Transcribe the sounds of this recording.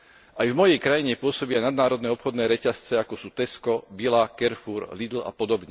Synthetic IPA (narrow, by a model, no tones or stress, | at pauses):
ajvmɔjɛjkɾajiɲɛpʊɔsɔbianad̪̚naːɾɔd̪nɛːɔpxɔd̪nɛːɾɛcast͡sɛakɔsuːt̪ɛskɔbilakɛɾfuːɾlid̪l̩a̰pɔd̪ɔbɲɛ